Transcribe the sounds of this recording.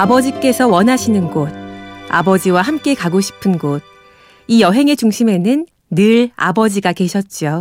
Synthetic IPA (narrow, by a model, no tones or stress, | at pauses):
abʌd͡ʑik͈e̞sʰʌwʌnɦaɕʰinɯnɡod̚a̰bʌd͡ʑiwaɦamk͈e̞kaɡoɕʰi̥pʰɯnɡod̚ | ijʌɦe̞ŋe̞t͡ɕuŋɕʰime̞nɯnː | ɯɾa̰bʌd͡ʑiɡake̞ɕʰʌt̚t͡ɕ͈o